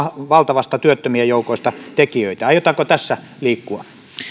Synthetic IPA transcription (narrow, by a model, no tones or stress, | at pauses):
ʋɑlt̪ɑʋɑst̪ɑt̪yøt̪ːømiæjoukoˑist̪ɑt̪ekiøit̪æɑjot̪ɑkot̪æsːæ | liːkːuɑ